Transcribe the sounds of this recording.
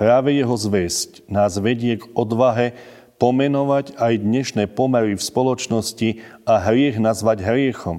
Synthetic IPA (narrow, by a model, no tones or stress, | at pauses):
pɾaːʋɛjɛɦɔzʋɛsc | naːzʋɛɟɪɛɡɔd̪ʋaɦɛ | pɔmɛnɔʋaɟajd̪ɲɛʃnɛːpɔmɛɾifspɔlɔt͡ʃnɔsciaɦɾɪɛɣnazʋaɟɦɾɪɛxɔm